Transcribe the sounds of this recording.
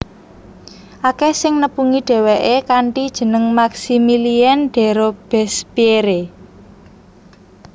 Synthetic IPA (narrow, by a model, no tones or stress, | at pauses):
ʔakɛsɪŋnəpuŋiɖ̥ɛ̤weʔekaɳʈid̥ʒ̥ə̤nəŋmaksimiliɛnɖ̥ɛ̤ɾob̥ɛsb̥ieɾe